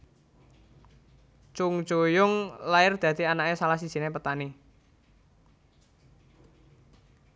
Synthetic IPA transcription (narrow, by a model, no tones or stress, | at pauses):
t͡ʃʊŋ̥d͡ʒojʊŋlaɪrd̪̥a̤d̪̥ianaʔesalahsi̥dʒ̥inepət̪ani